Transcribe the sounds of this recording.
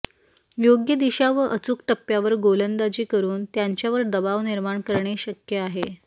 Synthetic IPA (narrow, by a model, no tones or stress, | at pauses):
joɡjəd̪iɕaʋəʔət͡sukʈəpːjaʋəɾɡolənd̪ad͡ʑiːkəɾuːnt̪jaɲt͡ɕjaʋəɾd̪əbaʋniɾmaɳkəɾɳeɕəkjəaɦe